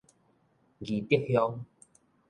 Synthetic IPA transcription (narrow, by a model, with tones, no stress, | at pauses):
ɡi˨t̪ji˥˨k̚hjɔ˦ŋ